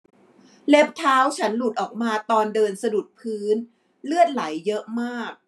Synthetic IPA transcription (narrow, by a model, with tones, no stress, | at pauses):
le˦˥p̚t̪ʰaː˦˥wt͡ɕʰa˦˥nlu˨˩t̪̚ʔɔː˨˩k̚maː˧t̪ɔː˧ndɤː˧nsa˧du˨˩t̪̚pʰɯː˦˥n | lɯ˥˩ət̪̚la˩˦jːɤ˦˥ʔmaː˥˩k̚